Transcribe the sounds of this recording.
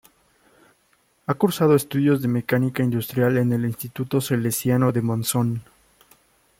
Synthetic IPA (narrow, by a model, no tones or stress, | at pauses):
akuɾsað̞oe̞st̪uðjo̞zðe̞me̞kanikaind̪ust̪ɾjale̞ne̞linst̪it̪ut̪o̞se̞lesjanoðe̞monso̞n